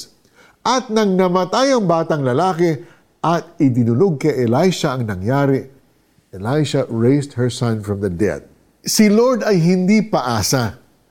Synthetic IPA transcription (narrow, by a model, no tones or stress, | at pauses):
ʔɐt̪̚nɐŋnɐmɐt̪ajɐŋbaːt̪ɐŋlɐlaːkɛ | ʔɐt̪̚ɪd̪ɪnʊloɡ̚kɐjʔɛlajʃɐɐŋnɐŋjaːɾɪ | ʔɛlajʃɐɹejst̪̚hɛɹsɐ̃nfɹɐ̃md̪ɐd̪ɛ̰d̪̚ | sɪloɹd̪ɐjɦɪnd̪ipɐʔaːsɐ